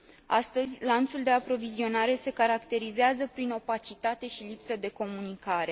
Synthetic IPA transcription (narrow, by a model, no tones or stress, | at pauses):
ast̪əzʲlant̪suld̪e̞apɾo̞vizio̞naɾe̞se̞kaɾakt̪e̞ɾizeazəpɾino̞pat͡ʃit̪at̪e̞ʃilipsəd̪e̞ko̞munikaɾe̞